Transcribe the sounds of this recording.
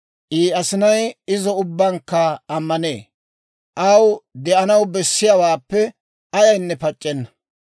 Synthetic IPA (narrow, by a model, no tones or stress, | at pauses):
ʔiːɐsɪnɐjɪzɔʊbːɐŋkːɐɐmːɐneː | ʔɐwd̪ɛʔɐnɐwbɛsːɪjawaːpːɛ | ɐjɐjnːɛpɐt͡ʃʼːɛnːɐ̥